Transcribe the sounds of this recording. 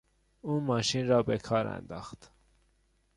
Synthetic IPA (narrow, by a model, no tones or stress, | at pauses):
uːnmɒːʃinɾɒːbekʰɒːɾæ̰nd̪ɒ̰ːxt̪